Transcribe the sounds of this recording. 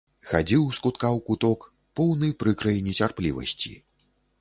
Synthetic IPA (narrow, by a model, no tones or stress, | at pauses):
xad͡zʲiwskut̪kawkut̪ɔk | pɔwnɨpɾɨkɾɐjinʲit͡sʲarplʲivɐ̰sʲt͡sʲḭ